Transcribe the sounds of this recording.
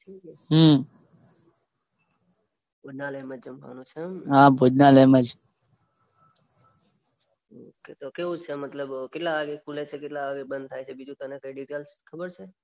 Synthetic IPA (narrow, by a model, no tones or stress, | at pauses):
ʈʰiːkɛɦə | bʱod͡ʒnaləməd͡ʒd͡ʒəmka̰nũt͡ʃʰəmɦãbʱod͡ʒnaləməd͡ʒ | oket̪okeʋũt͡ʃʰemət̪ləbkɪʈlaʋaɡekulet͡ʃʰekɪʈlaʋaɡebə̃nd̪̚t̪ʰajt͡ʃʰebid͡ʒũt̪ənekəiɖiʈelskʰəbəɾt͡ʃʰe